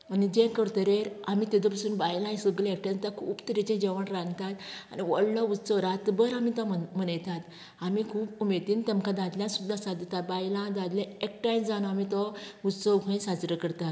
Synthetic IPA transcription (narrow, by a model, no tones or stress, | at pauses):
anid͡ʑɛ̃kəɽt̪əɾeɾamit̪id̪ɔpasuːnbajlãjsəɡlekʈẽnt̪akʰuːpt̪əɾit͡ɕɛ̃d͡ʑɛʋəɳɾãnt̪at̪a̰niʋɔ̰ɽlɔusəwɾat̪bəɾamit̪am̤ənajt̪at̪ | amikʰuːpumet̪iːnt̪ɛmkãd̪ad̪ljãsud̪ʱːasad̪ət̪at̪̚bajlãd̪ad̪lɛ̃ek̚ʈajmsd͡zanɔamit̪ɔutsəwkʰə̃ĩsat͡sɾəkəɽt̪at̪